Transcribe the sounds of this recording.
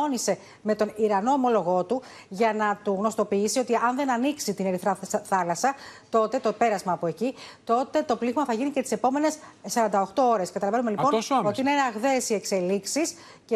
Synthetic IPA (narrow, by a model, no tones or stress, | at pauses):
onise̞ | me̞t̪o̞niɾɐno̞ːmo̞lo̞ɣo̞t̪u | ʝɐnɐt̪uɣno̞st̪o̞piisio̞t̪iɐnðe̞nɐniksit̪ine̞ɾiθɾɐθɐlɐsɐt̪o̞t̪e̞t̪o̞pe̞ɾɐzmɐːpo̞e̞cit̪o̞t̪e̞t̪o̞pliɣmɐθɐʝinicest̪i̥se̞po̞me̞ne̞ssɐɾɐnd̪ɐo̞xt̪o̞o̞ɾe̞skɐt̪ɐlɐve̞nume̞lio̞noso̞t̪ineinɐɣðe̞sie̞kse̞liksis | ce